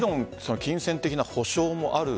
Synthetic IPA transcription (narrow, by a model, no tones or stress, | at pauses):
ɾõ̞ŋsonokʲĩɰ̃sẽ̞nt̪e̞kʲinaho̞ɕo̞ːmo̞ʔaɾɯ̟